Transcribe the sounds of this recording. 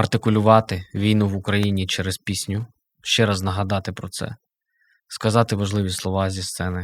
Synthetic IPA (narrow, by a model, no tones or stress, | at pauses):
ɐrt̪ɪkʊlʲʊʋɑt̪ɪʋʲijnuʋʊkɾɐjinʲit͡ʃɛɾezpʲisʲnʲʊ | ʃt͡ʃɛɾɑznɐɦɐd̪ɑt̪ɪpɾɔt̪sɛ̰ | skɐzɑt̪ɪʋɐʒlˠɪʋʲislˠɔʋɑzʲist̪sɛnɪ